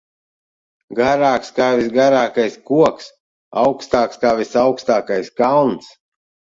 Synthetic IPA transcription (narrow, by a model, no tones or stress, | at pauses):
ɡaɾaːkskaːvisɡaɾaːkajskuɔks | awkst̪aːkskaːvisawkst̪aːkajskalˠns